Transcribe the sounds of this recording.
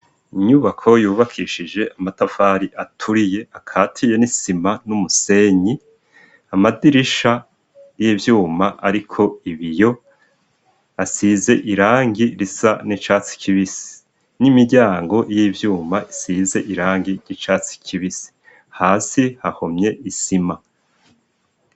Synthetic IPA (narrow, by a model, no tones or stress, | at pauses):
iɲuːβakʰo̞juːβakʰiʃid͡ʒe̞ʔamatafaɾiʔatʰuɾije̞akʰaːtʰije̞nisimanumuse̞ɲi | amadiɾiʃa | jivjuːmaʔaɾikʰo̞iβijo̞ | asize̞ʔiɾaːŋɡiɾisanit͡ʃaːt͡si̥kʰiβisi̥ | nimiɟaːŋɡo̞jivjuːmaʔisize̞ʔiɾaːŋɡiɾɟit͡ʃaːt͡si̥kʰiβisi̥ | haːsihahomɲe̞ʔisima